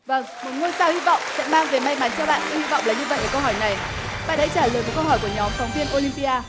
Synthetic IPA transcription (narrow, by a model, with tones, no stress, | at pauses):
və˧˩ŋmo˨˩t̚ŋo˧jsaː˧whi˧vɔ̰˧˨wŋ͡msɛ̰˧˥maː˧ŋve˨˩ma˧jma˨˦nt͡ɕɔ˧ɓa̰ː˧˨nkḭ˧hi˧vɔ̰˧˨wŋ͡mlaː˨˩ɲɨ˧və̰˧˨jʔəː˧˩kə˧wɦɔː˧˩jna˨˩jɓa̰ː˧˨nha̰ː˧˥t͡ɕaː˧˩ləː˨˩jmo˨˩t̚kə˧wɦɔː˧˩jku˧˩əɲɔ˨˦mfɔ˨˦wŋ͡mvi˧ənʔo˧li˧mpi˧ʔaː˧